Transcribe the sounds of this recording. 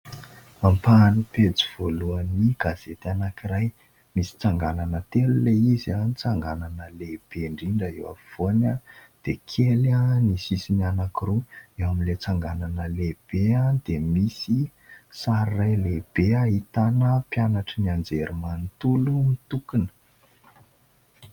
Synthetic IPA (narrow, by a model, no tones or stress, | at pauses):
ampaniped͡ziv̥oluəniɡaz̥et̪anakiraj | misi̥t͡saŋɡananət̪eluleizanit͡saŋɡananəleb̥eɳɖ͡ʐiɳɖ͡ʐəewa̰v̥onad̪̥ekʰelanisisinianakiruewaminlet͡saŋɡananəleb̥ead̪̥emisisaɾirajleb̥eaɦit̪anəpjanaʈ͡ʂəniand͡zeɾimanit̪ulumit̪ukinə̥